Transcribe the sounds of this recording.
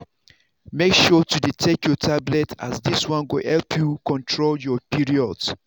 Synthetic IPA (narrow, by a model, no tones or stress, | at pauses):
mekʃɔtuditʰekjɔtʰablɛta̰zdiswɔ̃nɡuhɛlpʰjukɔ̃ntʰɹoljɔpiɹiɔds